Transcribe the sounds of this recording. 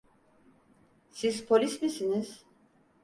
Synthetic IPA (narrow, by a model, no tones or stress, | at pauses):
sizpʰolʲismisiniz̥